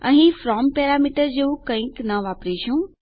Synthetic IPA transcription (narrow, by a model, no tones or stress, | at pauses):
ɐ̰̃ɦĩfɾɔːmpeːɾamiʈəɾd͡ʑeũkɐ̃ĩknɐʋaːpɾiʃũ